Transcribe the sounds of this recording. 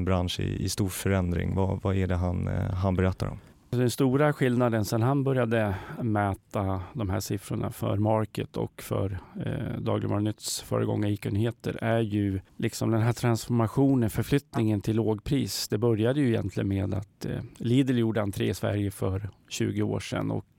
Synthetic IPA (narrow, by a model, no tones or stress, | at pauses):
nbɾanʂɪ̰ɪ̰st̪uːɾfœɾɛnd̪ɾɪ̰ŋva̰vaæɖɛɦanɦanbɛɾɛt̪ːa̰ɾɔ̰m | d̪ɛnst̪uːɾaɧɪlnad̪ənsɛnɦanbœɾjad̪əmɛːt̪ad̪ɔmɦæ̰ːʂɪfɾʊɳa̰fœ̰ɾmɑɾkət̪ʰɔ̰kfœ̰ɾd̪ɑ̰ːɡlɪ̰mɔɾnʏt̪ːsfœ̰ːɾəɡɔ̰ŋːaiːkənːheːt̪ə̰ɾæɾjɵlʔɪksɔmd̪ɛnɦæːʈ̪ʰɾansfɔɾmaɧuːnənfœɾflʏt̪nɪŋənt̪ʰɪlːoːɡpʰɾiːsd̪̥ɛbœɾjad̪əjɵɪjɛ̰nt̪ʰlɪənmeːd̪at̪liːd̪əljuːɖəhant̪ʰɾḛːsvæ̰ɾjəfœɾɕʉ̟̰ːɡəo̰ːʂɛ̰nɔ̰k